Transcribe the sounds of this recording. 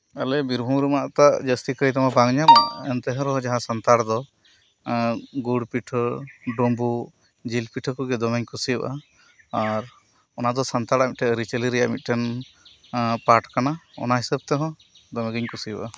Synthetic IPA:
alɛbiɾbʱumɾumaʔt̪aʔd͡ʒəst̪ikəjt̪amabaŋɲama̰ɛnt̪ɛɦɔ̃ɾɔɦɔ̃d͡ʒaɦãsant̪aɽd̪ɔ | ɡuɽpiʈʰɔɖɔmbu | d͡ʒilpiʈʰɔkɔɡɛd̪ɔmɛɲkusijɔʔʔaː | aɾ | ɔnad̪ɔsant̪aɾamit̪̚ʈɛɾit͡ʃəliɾɛjaʔmit̪̚ˀʈɛn | paʈkanaɔ̰naɦisəb̚t̪ɛɦɔ̃ | d̪ɔmɛɡiɲkusijəbʔa

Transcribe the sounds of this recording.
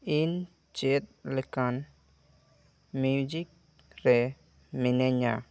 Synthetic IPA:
in | t͡ʃet̪̚lɪkan | mud͡ʒik̚ | ɾɛ | mɪneɲa

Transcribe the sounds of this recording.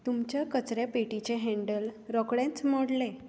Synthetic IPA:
t̪umt͡ɕjakət͡sɾjapeʈit͡ɕeɦɛ̃ɳɖəlɾɔkɽɛ̃t͡smɔɽle

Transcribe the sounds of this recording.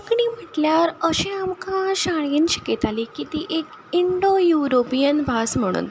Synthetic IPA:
əkɳiːm̤əʈljaɾəɕẽamkaɕaɭẽnɕi̥ket̪alikit̪iːʔek | iɳɖojuɾopijənbʱasm̤əɽ̃ṵːn

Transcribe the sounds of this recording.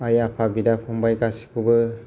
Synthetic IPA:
ajapʰabidapʰɔmbajɡasi̥kʰubɯ

